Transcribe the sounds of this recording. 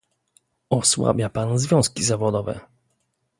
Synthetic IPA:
ɔswa̰bʲjapanzvʲjɔ̃w̃skʲizavɔd̪ɔvɛ̰

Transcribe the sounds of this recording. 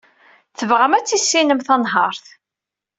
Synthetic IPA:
θəvʁæmæt͡sːisːinəmθɑnɦɑɾˤθ

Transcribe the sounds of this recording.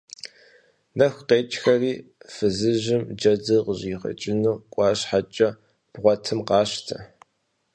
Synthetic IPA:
nɐxʷqeːt͡ʃʼxɐriːfɨzɨʑɪmd͡ʒɐd͡zɨqəʑiːχɐ̰t͡ʃʼɪnuːkʷʼɑːɕħat͡ʃʼɐ | b̥ʁʷɔtʰɨmqɑːɕtʰɐ̰

